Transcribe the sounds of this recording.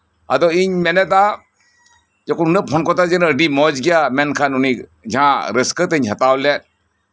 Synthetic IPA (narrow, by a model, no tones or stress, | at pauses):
a̰dɔiɲmenɛta | d͡ʒɔkununɯpʰɔnkɔtad͡ʒenədimɔd͡ʒɡijamenkʰanunid͡ʒãɾeskətɯɲɦatawlɛt̚